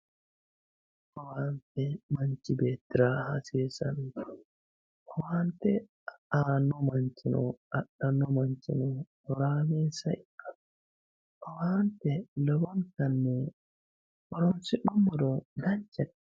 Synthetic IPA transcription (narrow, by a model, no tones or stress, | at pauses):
ʔɔwantɛmaɲt͡ʃibɛtiɾahasiɾsa̰ndɔ | ʔɔwantɛ | anɔmaɲt͡ʃinɔ̰ʔaɗanɔmaɲt͡ʃinɔ | ɾamɛsaja | ʔɔwantɛlɔbɔnkanːɛ | ɔɾɔnsiɗumːɔdɔdaɲt͡ʃɛt